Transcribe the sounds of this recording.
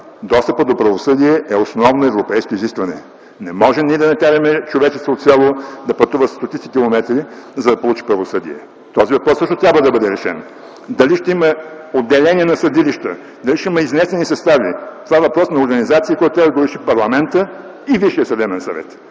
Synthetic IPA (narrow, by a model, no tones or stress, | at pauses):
d̪ɔst̪əpət̪d̪opɾɐvosɤd̪iɛɛosnɔvnoɛvɾopɛjskoiziskvɐnɛ | nɛmɔʒɛmniɛd̪ɐnɐkaɾɐmɛt͡ʃovɛt͡ʃɛst̪vot̪sʲalˠod̪ɐpɐt̪uvəsst̪ot̪it̪sikʲilˠomɛt̪ɾizɐd̪ɐpolˠut͡ʃi̥pɾɐvosɤd̪ḭɛ̰ | t̪ɔzivɐpɾɔsːɤʃt̪ot̪ɾʲabvəd̪ɐbɤd̪ɛɾɛʃɛ̰n | d̪ɐliʃt̪ɛimɐ | od̪ːɛlɛnʲiɛnɐsɐd̪iliʃt̪ə̰ | d̪ɐliʃt̪ɛiməiznɛst̪ɛnisɐst̪avit̪ovaɛvɐpɾɔsnɐoɾɡɐnizat̪siɐkoɔjt̪t̪ɾʲabd̪ɡoɾɛʃipɐɾlˠɐmɛnt̪ə | iviʃiəsɐd̪ɛbɛnsɐvɛ̰t̪